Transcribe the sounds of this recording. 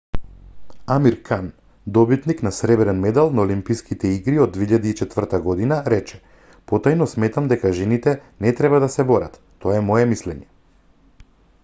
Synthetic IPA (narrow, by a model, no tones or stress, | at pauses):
amiɾkʰan | d̪ɔbit̪niknasɾɛvɛɾɛnmɛd̪alˠnaolimpijskit̪ɛiɡɾiɔd̪ːveiʎad̪iːt͡ʃɛt̪vr̩t̪aɡɔd̪inaɾɛt͡ʃɛ̥ | pɔt̪ajnɔsmɛt̪amd̪ɛkaʒɛnit̪ɛnɛt̪ɾɛbad̪asɛbɔɾa̰t̪ːɔaɛmɔɛmislɛɲɛ